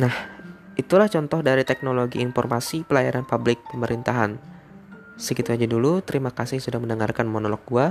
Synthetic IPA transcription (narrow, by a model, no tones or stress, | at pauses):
nahʔit̪ulaht͡ʃɔnt̪ɔhdaɾit̪ɛk̚noloɡiːnfɔrmasipəlajaɾanpablɪk̚pəməɾint̪aɦan | səkit̪uad͡ʒadulut̪əɾimakasɪhsudahməndəŋarkanmonolɔk̚ɡua